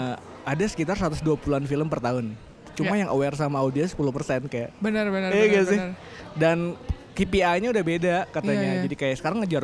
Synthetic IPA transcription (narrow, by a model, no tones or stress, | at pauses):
adasə̥kit̪arsat̪ʊsduapuluanfiləmpərt̪aɦʊn | t͡ʃumajaŋəwɛrs̬amaːudiasə̥puluhpərsɛnkajaʔbənərbənəijɡasɪh | dankipiaɲaudahbedakat̪aɲad͡ʒadikajaʔsəkaɾaŋːəd͡ʒar